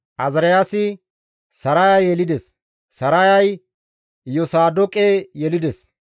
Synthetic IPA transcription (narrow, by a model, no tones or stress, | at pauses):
ʔɐzɾɐjasɪ | sɐɾajɐjɛlɪd̪ɛs | sɐɾajɐj | jɔsaːd̪ɔkʼejɛlɪd̪ɛs